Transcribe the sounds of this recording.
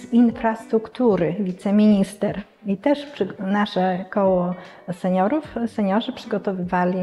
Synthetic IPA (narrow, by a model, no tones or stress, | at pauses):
zinfɾast̪ɾukt̪uɾɘvʲit̪sɛmʲiɲist̪ɛɾ | it̪ɛʂpʂnaʂɛkɔwɔ | sɛɲɔɾufsɛɲɔʐɘpʂɘɡɔt̪ɔvɘvalʲi